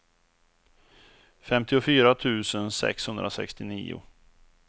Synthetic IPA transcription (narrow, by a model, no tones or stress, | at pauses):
fɛmt̪ɪʊfyːɾat̪ʰʉ̟ːsənsɛ̰kshɵnd̪ɾasɛ̰kst̪ɪnḭːʊ̰